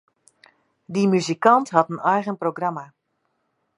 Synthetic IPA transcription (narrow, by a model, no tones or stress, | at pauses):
dimyzikɑntɦɑtənɛjɣənproɡrama